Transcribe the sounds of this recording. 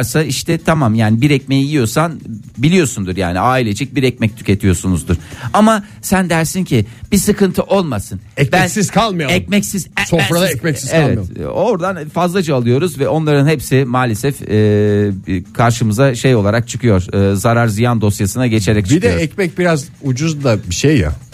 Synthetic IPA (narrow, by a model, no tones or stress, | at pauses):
ɾsaiʃt̪ʰɛt̪ʰamamjaːnibiɾɛcme̞jijijo̞san | bilʲijo̞sund̪uɾjaːniaːilʲed͡ʒɛc̚biɾɛc̚mɛc̚t̪ʰy̥cʰʲe̞t̪ʰijo̞sunuzd̪uɾ̥ama | sænd̪æɾsincʰib̥isɯkɯnt̪ʰɯʔo̞lˠmasɯnɛcbɛænsiz̥kʰalˠmajoɛc̚mɛcsizsofɾalˠaɛcmɛc̪izevlˠɛmjoo̞ɾd̪anfazlˠad͡ʒaːlˠɯjo̞ɾuzvɛʔo̞nlˠaɾɯnhɛpsɪmaːlʲesɛfː | kʰaɾʃɯmɯzaʃejo̞lˠaɾak̚t͡ʃʰɯkʰɯjo̞ɾ̥ɯːzaɾaɾzɯjand̪o̞sjasɯnaɟe̞t͡ʃʰe̞ɾɛc̚t͡ʃʰbʰid̪ɛɛcmɛc̚biɾazud͡ʒuzd̪abiʃejːa̰